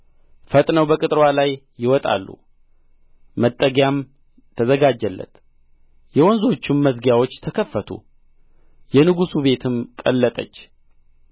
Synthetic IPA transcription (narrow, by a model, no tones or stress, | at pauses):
fət̪ʼnəwbəkʼɨt̪ʼɾwalajː | ɪwɔt̪ʼa̰lːṵ | mət̪ʼːəɡjam | t̪ʰəzəɡad͡ʒːəlːə̰t̪ | jɛwɔnzo̞t͡ʃːɪmːəsɡjawo̞t͡ʃːt̪ʰəkʰəfːət̪ʰṵ | jɛnɨɡusuβe̞t̪ʰɨmkʼə̰lːət̪ʼə̰t͡ʃː